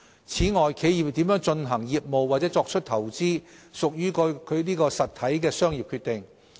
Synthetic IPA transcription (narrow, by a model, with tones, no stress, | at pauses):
t͡sʰiː˨˥ŋɔː˨jkʰe˨˧jiː˨˩p̚t̪iː˨˥mjœː˨˥ŋt͡ʃɵ˧nɦɐ˨˩ŋjiː˨p̚mo˨wːaː˨t̚t͡sɛ˨˥t͡sɔː˧k̚t͡ʃʰt̚t̪ʰɐ˨˩wt͡siː˥sʊ˨k̚jyː˥kɔː˧kʰɵ˨˧ɥliː˥kɔː˧sɐ˨t̪̚ʰɐ˨˥jkɛː˧sœː˥ŋji˨p̚kʰyː˧t̪ɪ˨ŋ